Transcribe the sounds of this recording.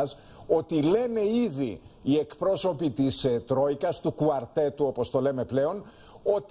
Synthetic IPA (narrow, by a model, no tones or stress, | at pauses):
s | o̞t̪ile̞ne̞iðiːe̞kpɾo̞so̞pit̪ist̪ɾo̞ikɐst̪ukuɐɾt̪e̞t̪uo̞po̞st̪o̞le̞me̞ple̞o̞n | o̞t̪